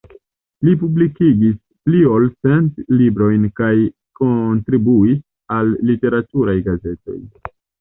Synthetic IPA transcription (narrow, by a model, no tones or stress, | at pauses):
lipublikiɡis | pliolse̞ntlibɾo̞jnkaj | kontɾibuis | alːite̞ɾatuɾajɡaze̞to̞̰j